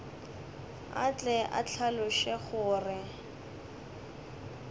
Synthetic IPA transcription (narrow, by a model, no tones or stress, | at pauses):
a̰t͡ɬʼɛʔa̰t͡ɬʰalʊʃɛχʊːrɪ